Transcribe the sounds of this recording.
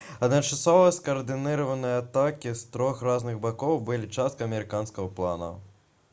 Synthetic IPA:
ɐd̪nɐt͡ʂasɔvɐskɐːrd̪ɨnɨɾɐvɐnɨjɐat̪akʲist̪ɾɔxraznɨɣbakɔwbɨlʲit͡ʂast̪̚kɐɐmʲɛɾɨkanskɐɣɐplˠa̰nɐ̰

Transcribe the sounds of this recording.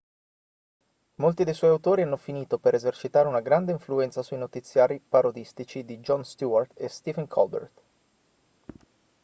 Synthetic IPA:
molt̪id̪ejswɔjawt̪oːɾianːofiniːt̪opeɾezert͡ʃit̪aːɾeunaɡɾand̪eiɱfluɛnt̪sasuinot̪it̪sːjaːɾipaɾod̪ist̪it͡ʃid̪id͡ʒɔnst̪uart̪est̪ivɛŋkʰɔlbḛrt̪

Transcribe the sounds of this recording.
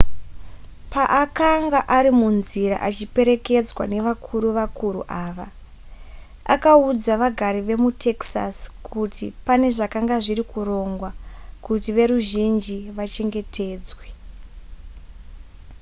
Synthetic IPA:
paʔakaŋɡaʔaɾimunziɾa̰ʔat͡ʃipe̞ɾe̞ke̞d͡zwa̰ne̞ʋakʰuɾuʋakuɾṵʔaːʋa | a̰kaud͡zaʋaɡʱaɾiʋe̞mutʰe̞ksa̰skʰutḭpane̞ʐakaŋɡaʐiɾikuro̞ŋɡwakutiʋe̞ɾuʒind͡ʒiʋat͡ʃe̞ŋɡe̞tʰe̞ːd͡zwe̞

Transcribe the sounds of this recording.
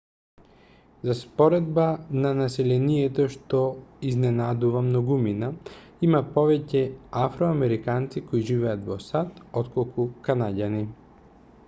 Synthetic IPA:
zaspɔɾɛd̪̚bananasɛlɛniɛt̪ɔʃt̪ɔiznɛnad̪uvamnɔɡumina | imapɔvɛcɛafɾɔamɛɾikant̪sikoiʒivɛat̪vɔsat̪ɔt̪kɔlˠkukanaɟani

